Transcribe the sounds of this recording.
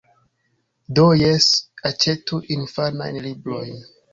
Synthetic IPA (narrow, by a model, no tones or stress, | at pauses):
dojesat͡ʃe̞tuʔinfana̰jnlibɾo̞jn